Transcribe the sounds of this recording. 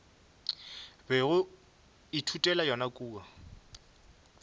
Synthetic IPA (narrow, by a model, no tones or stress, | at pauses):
bɛɣʊ | itʰutʼɛlajɔnakʼuːa